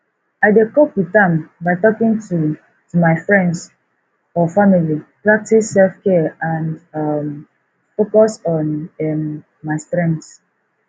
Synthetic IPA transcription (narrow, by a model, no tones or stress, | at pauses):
aɪdekɔpwitãmbaɪtɔkĩŋtu | tumaɪfɹɛ̃nds | ɔfamilipɹak̚tisːɛlfkɛãndʌm | fokɔsɔ̃nɛmː | aɪstɹɛ̃nds